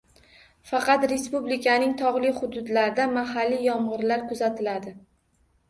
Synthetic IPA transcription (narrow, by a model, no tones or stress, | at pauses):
fɑqɑt̪ɾe̞spublɪkʲʰanɪŋt̪ʰɒʁlˠɪχʊd̪ʊd̪laɾɪd̪amaɦalːijɒmʁɨɾlaɾkʰʊzat̪ʰɪlad̪ɪ